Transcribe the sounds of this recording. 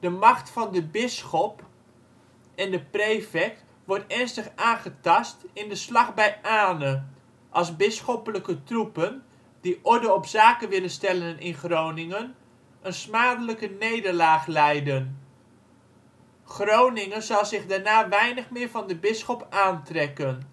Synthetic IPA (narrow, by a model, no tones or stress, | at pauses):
d̥əmɑχtfɑndəbɪsχɔp | ɛndəprejfɛk̚t | ʋɔɹtɛɹnstəχaːnχətɑstɪndəslɑχbɛjʔaːnə | ʔɑlˠzbɪsχɔpələkətrupən | diʔɔɹdəɔpsaːkənʋɪlənstɛlənɪnχrownɪŋən | ənsmaːdələkənejdəɹlaːχlɛjdən | χrownɪŋəzɑlˠzɪχdaːɹnaːʋɛjnəχmɪːɹvɑndəbɪsχɔpaːntrɛkən